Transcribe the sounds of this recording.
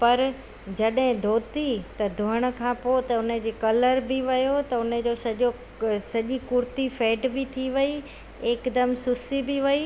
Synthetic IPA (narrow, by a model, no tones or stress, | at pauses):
pɐɾ | d͡ʑɐɗɦɪ̃d̪ʱoːt̪it̪ɐd̪ʱʊɦəɽ̃ʊ̆kʰãːpoːt̪ɐʊnəd͡ʑeːkɐləɾbɪʋɐjot̪ɐʊnəd͡ʑoːsɐʄo | sɐʄikʊɾt̪ifeːɖbɪt̪ʰiʋɐi | eːkd̪ɐmsʊsibɪʋɐi